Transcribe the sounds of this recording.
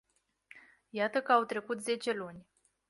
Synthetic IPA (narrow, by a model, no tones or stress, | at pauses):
jat̪əkəawt̪ɾe̞kut̪ze̞t͡ʃe̞lunʲ